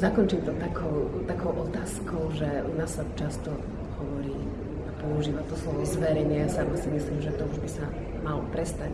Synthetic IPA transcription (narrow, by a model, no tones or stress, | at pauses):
zakɔnt͡ʃimt̪ɔt̪akʰɔʊt̪akɔʊʔɔt̪aːskɔʊʒɛnasat͡ʃast̪ɔ | hɔʋɔɾiː | apɔuʒiːʋat̪ɔslɔʋɔzʋɛɾɛɲɛjasamasimisliːmʒɛt̪ɔuʒbisa | malɔpɾɛst̪ac